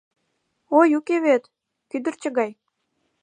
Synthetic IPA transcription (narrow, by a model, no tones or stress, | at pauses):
ojukeβet̪ | kyd̪ə̆rt͡ɕə̆ɣɑj